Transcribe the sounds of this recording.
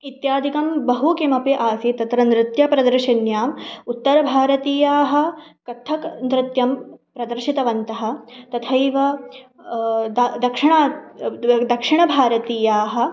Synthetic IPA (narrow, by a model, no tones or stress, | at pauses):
it̪jaːd̪ʱikɐmbɐɦukimɐpiʔaːsit̪ɐt̪ɾɐnɾɪt̪jɐpɾɐd̪ɐɾʃɐnjaːmut̪ːɐɾɐbʱaːɾɐt̪iːjaːɦɐ̆kɐt̪ʰːɐknɾɪt̪jɐmpɾɐd̪ɐɾʃit̪ɐʋɐnt̪ɐɦɐ̆t̪ɐt̪ʰɐjʋɐ | d̪ad̪ɐkʂɪɳaː | d̪ɐkʂɪɳɐbʱaːɾɐt̪iːjaːɦɐ̆